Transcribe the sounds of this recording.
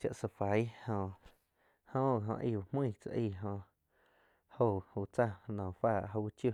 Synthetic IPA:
t͡ʃa˧ʔsa˧fa˨˦jhõ˧ | hõː˦˨ɦõ̰˧ʔḭ˧˨u˨mĩː˦˧˨t͡sa̰˧ʔiː˧˨ɦõ˧ | ho˧˨huː˧t͡sa˦˧nɔ̃˨faː˦˧˨ʔɦo˧u˦t͡ʃju˧˨

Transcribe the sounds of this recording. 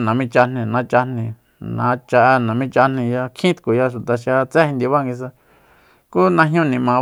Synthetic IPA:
nã˨mĩ˦˧t͡ʃa˧n̥ĩ˧nã˨˦t͡ʃa˧n̥ĩ˧ | nã̰˨˧˦t͡ʃa˧ʔnã˨mĩ˦t͡ʃa˧n̥ĩ˧ja˧kʰĩ˦t̪ku˨ja˧ʃu˨t̪a˧ʃ̬ja˧t͡se˦hĩ˧nd̪i˧βa˦ŋɡi˧s̬a˧ | ku˦nã˧ɦɲũ˦nĩ˨mã˨˧

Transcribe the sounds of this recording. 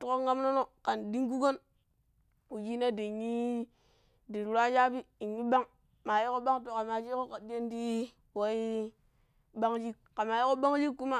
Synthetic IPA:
tu˦ko˦ŋa˦mno˦no˦ka˨ndi˦ŋku˦ɡo˦n | u˨d͡ʒi˦na˦de˨ɲi˦ | di˨ɾɾa˦d͡ʒa˦bi˦i˨ɲːi˦ba˦ŋ | ma˨ji˦ko˦ba˦ŋto˨ka˨ma˨d͡ʒi˦ko˦ka˨di˦e˦ndi˦ | wa˦i˦ | ba˦ŋd͡ʒi˦k̚ka˨ma˨ji˦ko˦ba˦ŋd͡ʒi˦kːu˦ma˦˨

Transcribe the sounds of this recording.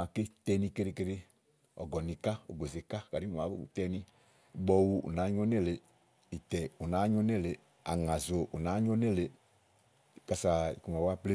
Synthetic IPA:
a˧˨ke˦tɛ˧nĩ˧ke˧ɾi˧ke˧ɾe˧ | ɔ̰˨ɡɔ˨nĩ˧ka˦o̰˨ɡo˨ze˨ka˦ka˨ɾi˦mu˨ma˨˦ṵ˨tɛ˧nĩ˧˨ | ɡ͡bɔ˧wu˧ṵ˨na˨˦ɲɔ˦ne˦˨le˨ | i˨tɛ˨u˨na˨˦ɲɔ̃˦nɛ˦˨le˨ | a̰˨ŋã˨zo˨ʔu˨na˨˦ɲɔ˦nɛ˦˨le˨ | ka˨sa˨ḭ˨ku˨ma˨wa˦ple˦

